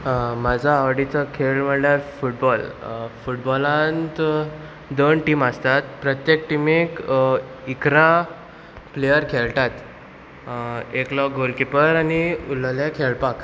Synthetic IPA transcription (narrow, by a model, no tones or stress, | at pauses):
mad͡zʱaːʋɽit͡səkʰeɭm̤əɳljaɾfuʈ̚bɔlfuʈbɔlãnt̪ | d̪onʈiməst̪at̪pɾət̪jek̚ʈimek | ikɾa | plejəɾkʰelʈ̪at̪ | eklɔk̚ɡolkipəɾaniulljakʰeɭpak